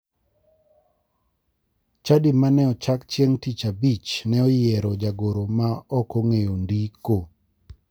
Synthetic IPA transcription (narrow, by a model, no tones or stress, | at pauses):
t͡ʃadimanɛɔt͡ʃakt͡ʃjeŋtit͡ʃabit͡ʃnɛɔjɛɾɔd͡ʒaɡoɾomaɔkoŋejondiko